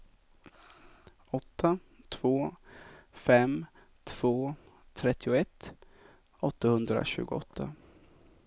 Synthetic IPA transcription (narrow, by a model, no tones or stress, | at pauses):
ɔt̪ʰːa | t̪ʰv̥oː | fɛm | t̪ʰv̥oː | t̪ʰɾɛt̪ʰːɪʊɛt̪ː | ɔt̪ːahɵnd̪ɾa̰ɕʉ̟ːɡʊɔt̪ʰːa